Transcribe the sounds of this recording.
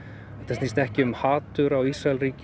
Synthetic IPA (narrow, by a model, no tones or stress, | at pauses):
ɛht̪asnist̪ɛhcɪʏmhaːt̪ʏɾawisraɛlriːc